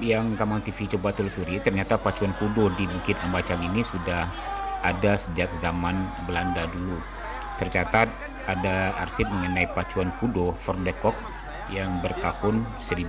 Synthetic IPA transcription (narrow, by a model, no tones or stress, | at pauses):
jaŋkamaŋt̪ifit͡ʃobat̪ulsuɾit̪ərɲat̪apat͡ʃuankudodibukɪt̪ambat͡ʃaŋinisudahadasəd͡ʒak̚zamanbəlandadulu | t̪ərt͡ʃat̪at̪̚ | adaːrsɪp̚məŋənaipat͡ʃuankudofɔrdɛkɔk̚ | jaŋbərt̪ahʊnsəɾib